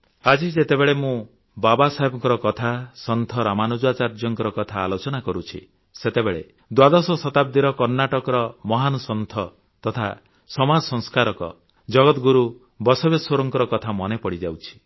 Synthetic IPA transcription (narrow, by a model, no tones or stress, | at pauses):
ad͡ʒid͡ʒet̪ebeɭemũ | babasaɦebɔŋkɔɾɔkɔt̪ʰasɔnt̪ʰɔɾamanud͡ʒwat͡ʃaɾd͡ʒɔŋkɔɾɔkɔt̪ʰaːlot͡ʃɔnakɔɾut͡ʃʰḭ | set̪ebeɭḛ | d̪wad̪ɔsɔsɔt̪ab̚d̪iɾɔkɔɾnaʈɔkɔɾɔmɔɦanɔsɔnt̪ʰɔ | t̪ɔt̪ʰa | sɔmad͡ʒɔsɔŋskaɾɔkɔ̰ | d͡ʒɔɡɔt̪ɡuɾu | bɔsɔbjesɔɾɔŋkɔɾɔkɔt̪ʰamɔnepɔɽid͡ʒawt͡ʃʰi̥